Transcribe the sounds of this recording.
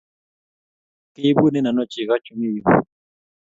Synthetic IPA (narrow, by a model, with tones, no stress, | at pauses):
ke˦bu˦nɛ˦na˨nɔ˦˨t͡ʃi˨ka˦t͡ʃʰʼu˦mi˦˨